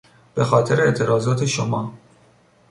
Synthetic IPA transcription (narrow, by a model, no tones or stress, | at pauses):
b̥e̞xɒːt̪ʰe̞ɾeeʔt̪ʰe̞ɾɒːzɒːt̪ʰeʃomɒː